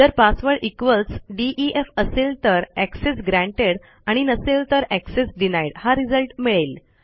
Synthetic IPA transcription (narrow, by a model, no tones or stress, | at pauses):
t̪əɾpasʋəɭʔikʋəlsɖiʔiʔefəselt̪əɾæksesɡɾæ̃ɳʈeɽ | aɽ̃inəselt̪əɾæksesɖinajɽhaɾid͡zəlʈmiɭel